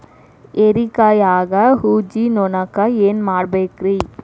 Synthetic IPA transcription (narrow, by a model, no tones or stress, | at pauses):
eɾikajaːɡɐɦuːd͡ʒinonɐkːaeːnmaːɽbeːkɾiː